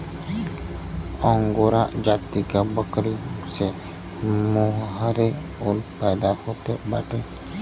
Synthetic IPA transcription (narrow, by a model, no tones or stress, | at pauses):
ɔŋɡoɾaʔd͡ʒat̪ikabəkɾisɛ | mɔɦɦəɾɛulpajd̪akʰɔt̪ɛbaʈɛ